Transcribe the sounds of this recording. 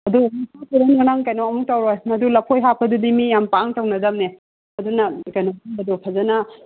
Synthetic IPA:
ɐdumisʰatuɾenŋanaŋkajnoɐmuk̚tawɾojmɐdulɐpʰojɦapʰɐdudimijampaŋtawnɐdamne | ɐdunɐkajnɔbɐdupʰɐzanɐ

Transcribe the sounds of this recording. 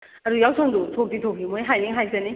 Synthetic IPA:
ɐɾujawsʰaŋdutʰok̚ditʰok̚ʰimojɦajniŋɦajzani

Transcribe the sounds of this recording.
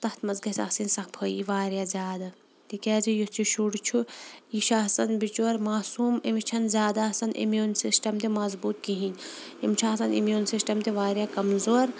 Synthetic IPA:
t̪ɐht̪mɐzɡɐsɐ̰xsinsɐxpʰoːḭʋaːɾjazʲjaːd̪a | t̪ikaːzijust͡ʃʰiʃuɽt͡ʃʰujiʃaɦsɐnbit͡ʃuɐɾmaːsuːmimit͡ʃʰɐnzʲjaːd̪aɐsɐnʔḭmjuːnsisʈɐmt̪emɐzbuːt̪̚kiɦĩːn | imt͡ʃʰaɐsɐnḭmjuːnsisʈɐmt̪eʋaːɾjaːkɐmzoːɾ

